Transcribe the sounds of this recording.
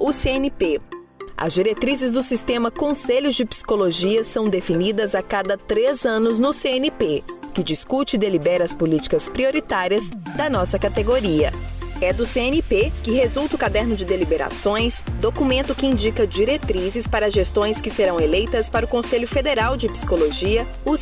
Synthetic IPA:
ʊseenipe | ɐ̰zd͡ʒiɾet̪ɾizɪzd̪ʊsist̪ẽmɐkõseʎʊzd͡ʒɪpsi̥koloʒiɐsɐ̃w̃d̪efinid̪ɐzakad̪ɐt̪ɾezɐ̃nʊznʊseenipe | kɪd͡ʒiskut͡ʃɪd̪elibɛɾɐspʊlit͡ʃi̥kɐspɾioɾit̪aɾiɐzd̪ɐnɔsɐkat̪eɡoɾiɐɛd̪ʊseẽnipekɪhezuwˠt̪ʊkad̪ɛɾnʊd͡ʒɪd̪elibeɾa̰sõj̃sd̪okumẽnt̪ʊkɪĩd͡ʒikɐd͡ʒiɾet̪ɾizɪspaɾɐʒest̪õj̃skɪseɾɐ̃w̃elejt̪ɐspaɾʊkõseʎʊfed̪eɾawd͡ʒɪpsi̥koloʒiɐ | us

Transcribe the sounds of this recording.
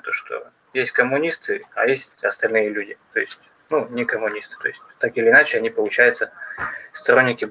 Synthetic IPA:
t̪oʂt̪o̞̰ | jesʲtʲkəmːʊnʲist̪ɨajesʲtʲɐst̪ɐlʲnɨjəlʲudʲɪt̪o̞ɪsʲtʲ | nunʲɪkəmʊnʲist̪ɨ̥t̪o̞̰ɪsʲt̚ʲt̪akɪlʲɪːnat͡ɕɪɐnʲipəlˠʊt͡ɕæjʊt̪səst̪ɐɾo̞nʲːɪkʲɪ

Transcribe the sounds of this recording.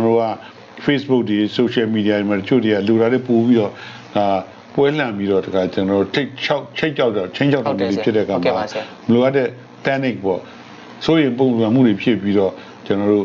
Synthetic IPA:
ənɔo̰ɡa | pʰesbʊʔk̚tesoʃɛmidiaɾematət͡ɕʰo̰dejaloɾaɾepopiɾɔ | d̥a | pwɛl̥ãmbiɾɔdəkʰat͡ɕənɔo̰tʰeɪt͡ɕʰaʊʔt͡ɕʰeɪʔt͡ɕʰːaʊtat͡ɕʰẽɲt͡ɕʰaʊtːamṵd̪epʰjɪtːɛ̰əkʰama | məloʔatɛ | t̪ɛnɪk̚pɔ̰ | sojẽmp̬õʊ̃mpãmṵdepʰjɪpjiɾɔ | t͡ɕənɔɾo̰

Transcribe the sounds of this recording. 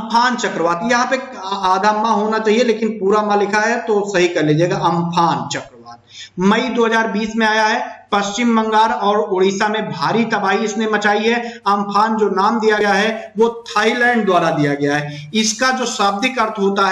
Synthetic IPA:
ɐmpʰaːnt͡ʃɐkɾəʋaːt̪jɐɦãpeaːd̪ʱamãɦoːnat͡ʃaːɦieleːkɪnpuːɾamãlɪkʰaɦɛt̪osɐɦikɐɾled͡ʒaeːɡaʔɐmpʰaːnt͡ʃɐkɾəʋa̰ːt̪̚mɐid̪oːɦəzaːɾbiːsmẽaːjaɦɛpɐst͡ʃɪmːɐ̃ŋɡaːɾɔːɾoɽiːsamẽbʱaːɾit̪ɐbaːɦiɪsnemɐt͡ʃaːiɦɛɐmpʰaːnd͡ʒoːnaːmd̪ijajaɦɛʋot̪ʰaːilɛ̃ːɳɖ̚d̪waːɾad̪ijaɡɐjaɦɛ | ɪskad͡ʒoːsaːb̚d̪ʱɪkɐɾt̪ʰɦoːt̪aɦ

